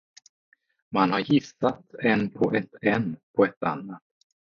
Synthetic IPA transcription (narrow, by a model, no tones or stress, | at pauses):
manhaɾjɪsat̪ɛnpʰɔʔɛt̪ɛnːpʰɔɛt̪a̰nːat̪